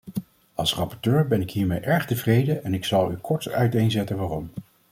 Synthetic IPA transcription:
ɑlˠsrɑpɔɹtøːɹbɛnɪkɦiːɹmejʔɛɹχtəvrejdəʔɛnɪksɑlˠykʰɔɹtœ̰ɥtejnzɛtənʋaːrɔm

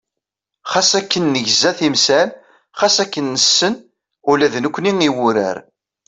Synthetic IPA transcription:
χɑsækːənːəʝzæθimsæl | χɑsækːənːəsːən | ʊlæðnukʷːniŋiwʊɾə̰ɾ

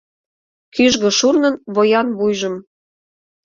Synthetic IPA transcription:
kyʒɣɤ̆ʃurnɤ̆nβojɑnβujʒə̆m

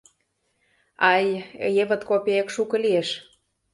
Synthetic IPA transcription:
ɑjjeβə̆t̪kopʲeekʃukɤ̆lieʃ

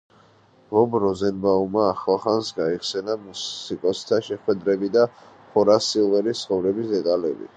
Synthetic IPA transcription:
vɔbɾɔzɛnbaumaːχlˠaχansɡaiχsɛnamuikʼɔst̪ʰaʃɛχwɛd̪ɾɛbid̪a | pʰɔɾasilˠvɛɾist̪sʰχɔvɾɛbisd̪ɛt̪ʼalɛ̰bḭ

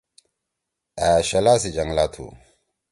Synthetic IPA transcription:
aːʃɐlas̬id͡ʒɐŋlat̪ʰṵ

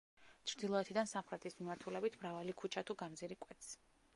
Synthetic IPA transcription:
t͡ʃʰɾd̪ilˠɔɛt̪ʰid̪ansamχɾɛt̪ʰismimaɾt̪ʰulɛbit̪ʰmɾavalikʰut͡ʃʰat̪ʰuɡamd̪ziɾikʼwɛt̪s

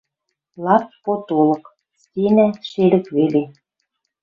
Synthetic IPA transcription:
lˠɑspot̪olɤ̆k | stʲenæʃelɘ̆kβele

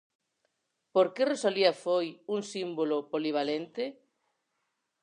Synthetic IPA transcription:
poɾkeresoliɐafojuŋsimbolopoliβ̞alent̪ɪ

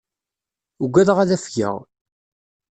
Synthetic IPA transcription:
uɡʷæðʁæðæfçə̰ʁ

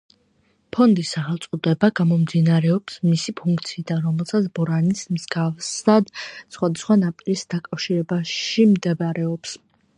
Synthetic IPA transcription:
pʰɔnd̪isaχɛlˠt̪sʼqʼud̪ɛbaɡamɔmd̪inaɾɛɔpsmisipʰuŋkʰʼt̪sʰiːd̪anɾɔmɛlˠsat̪sʰbɔɾanismzɡavsad̪sχwad̪asχwanapʼiɾisd̪akʼafʃiɾɛbaʃimd̪ɛbɾɛɔps

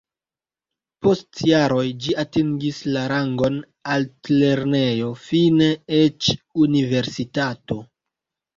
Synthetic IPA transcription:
po̞stjaɾo̞jd͡ʒiatiŋɡislaɾaŋɡo̞n | altle̞ɾne̞jo̞fineet͡ʃunive̞ɾsitato̞

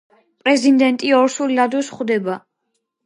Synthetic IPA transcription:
pʼɾɛzind̪ɛnt̪ʼiɔɾsulilad̪ɔsχd̪ɛba

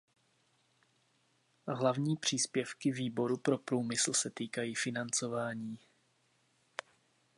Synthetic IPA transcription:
ɦlavɲiːpr̝̥iːspjɛfkɪviːbo̞ɾupɾo̞pɾuːmɪsl̩sɛt̪iːkajiːfɪnant͡so̞vaːɲiː

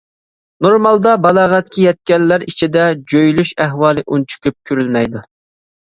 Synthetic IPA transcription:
noɾmɑlˠd̪ɑbɑlˠɑːʁɛt̪̚kʲʰijɛt̪̚kʲɛlːæɾit͡ʃʰid̪ɛd͡ʒøjlyʃæɦwɑːlˠɨʔunt͡ʃʰy̥kʲyp̚kʲʰyɾylmɛjd̪u

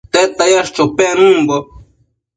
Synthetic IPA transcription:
t̪et̪ajaʂt͡ʃopenũmbo

